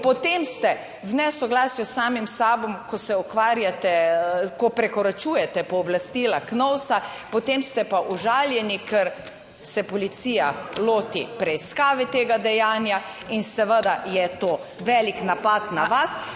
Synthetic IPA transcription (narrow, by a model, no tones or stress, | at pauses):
pɔt̪emst̪ɛ | wnɛsɔɡlaːsjɔsːaːmimsaːbɔmkɔsɛɔkʋaːɾjat̪ɛkɔpɾɛkɔɾat͡ʃuːjɛt̪ɛpɔːblast̪iːlaknɔwsa | pɔt̪emst̪ɛpaʔɔʒaːljɛnikəɾ | sɛpɔlit̪sijaloːt̪ḭpɾɛiskaːʋɛt̪eːɡad̪ɛjaːnja | insɛʋəd̪ajɛt̪oː | ʋɛliknapat̪naʋas